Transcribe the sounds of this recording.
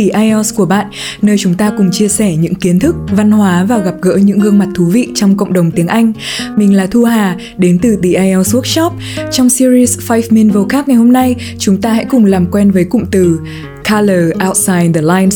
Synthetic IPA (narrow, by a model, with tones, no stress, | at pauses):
i˧˩ʔaː˧jʔɔ˧sku˧˩əɓa̰ː˧˨n | nəː˧jt͡ɕʊ˨˦ŋ͡mt̪aː˧kʊ˨˩ŋ͡mt͡ɕi˧əsɛ˧˩ɲɨ̰˧˥ŋki˨˦ənt̪ʰɨ˦˥k̚va˧nhwaː˨˦vaː˨˩ɣa˨˩p̚ɣə̰ː˧˥ɲɨ̰˧˥ŋɣɨ˧əŋma˨˩t̚t̪ʰu˨˦vḭ˧˨t͡ɕɔ˧wŋ͡mkə̰˧˨wŋ͡mɗə˨˩wŋ͡mt̪i˨˦əŋʔa˧jŋ̟mï˨˩ŋ̟laː˨˩t̪ʰu˧ɦaː˨˩ | ɗe˨˦nt̪ɨ˨˩t̪i˨˩ʔaː˧jʔɔ˧su˦˥ək̚t͡ɕɔ˦˥p̚ | t͡ɕɔ˧wŋ͡msi˧ɾi˧sfa˧jfmi˧nvo˧xaː˦˥k̚ŋa˨˩jho˧mna˧j | t͡ɕʊ˨˦ŋ͡mt̪aː˧ha̰˧˥kʊ˨˩ŋ͡mlaː˨˩mkwɛ˧nvəː˨˦jkʊ̰˧˨ŋ͡mt̪ɨ˨˩ | kʰaː˧ləː˨˩ʔaː˧wt̚saː˧jnd̪ə˨˩laː˧jns